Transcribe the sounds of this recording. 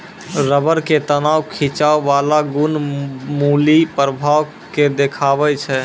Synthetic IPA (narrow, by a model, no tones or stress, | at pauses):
ɾəbəɾket̪ənaːwkʰit͡ʃawːalaɡunmuːlipɾəbʱaːʋ | ked̪ekʰaːbɛt͡ʃʰɛ